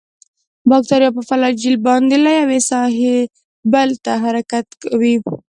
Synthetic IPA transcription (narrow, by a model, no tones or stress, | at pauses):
bɑk̚t̪aɾjɑpəfalɑd͡ʒilbɑnd̪elajawesɑɦe | bəlt̪aɦaɾakat̪kawi